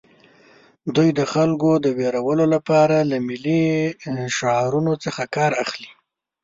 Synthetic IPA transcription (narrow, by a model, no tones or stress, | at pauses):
d̪ujd̪əxalkod̪əweɾawəlolapɑɾalamɪli | ʃaɾunot͡səxakɑɾaxli